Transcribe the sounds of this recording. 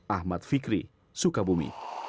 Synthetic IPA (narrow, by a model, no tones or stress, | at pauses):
ahmat̪̚fikɾḭ | sukabumḭ